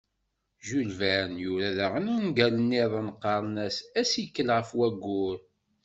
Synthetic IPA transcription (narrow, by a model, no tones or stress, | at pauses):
ʒulvænjʊɾæðæʁənænɡælənːeðˤənqːɑɾˤnæsæsjkːəlʁəfwæɡːʊɾ